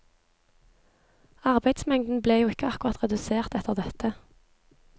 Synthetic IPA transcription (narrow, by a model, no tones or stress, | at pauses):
ɑʁbæɪd̪smɛŋd̪n̩bleːjuːɪkəɑkʊʁɑt̪ʁɛd̪ʉseːʁt̪ɛt̪əʁd̪ɛt̪ə